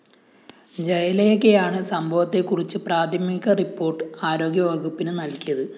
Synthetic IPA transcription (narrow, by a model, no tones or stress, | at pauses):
d͡ʑɐjɐlɐjokːe̞jaːɳɨsɐmbʱɐʋɐt̪ːe̞kːurit͡ɕːɨpraːd̪ʱɐmiɣɐripːo̞ːrʈːɨaːɾo̞ːɡjɐʋɐɡupːinɨnɐlkijɐðɨ